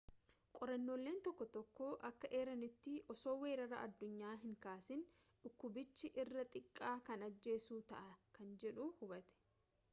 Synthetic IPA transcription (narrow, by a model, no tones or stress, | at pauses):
kʼɔɾɐnːo̞ːlːe̞ːnt̪ɔkːɔt̪ɔkːoːʔɐkːɐʔeːɾɐnɪt̪ːɪʔɔso̞ːwe̞ːɾɐɾɐ̰ʔɐd̪ːʊɲːaːɦɪŋkaːsɪn | ᶑʊkːʊbɪt͡ʃːɪʔɪrːɐt̪ʼɪkʼːaːkɐnɐd͡ʒːe̞ːsuːt̪ɐʔɐkɐnd͡ʒɛᶑʊhʊbɐt̪ɛ̥